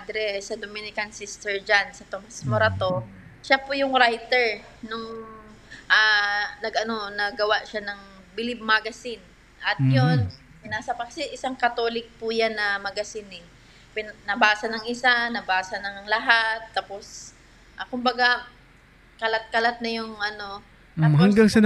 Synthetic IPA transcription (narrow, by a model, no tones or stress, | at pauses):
d̪ɾɛsɐd̪omɪnɪkɐnsist̪ɛɹd͡ʒansɐt̪omɐsmoɾɐt̪o̞ʃapʊjʊŋɾajt̪ɛɹ | nʊŋ | ʔaːnɐɡʔɐno̞nɐɡɐwaʔʃanɐŋ | bɪlib̚maɡɐsɪn | ʔɐt̪̚jon | pɪnaːsɐpɐksɪʔɪsaŋkɐt̪o̞ːlɪk̚pʊjanːɐmɐɡɐsɪnɛ | pɪnnɐbaːsɐnɐŋʔɪsanɐbaːsɐnɐŋlɐɦat̪ːaːpos | ʔakʊmbɐɡa | kɐlat̪̚kɐlat̪̚nɐjʊŋʔɐno̞ | ahaŋɡaŋsɪn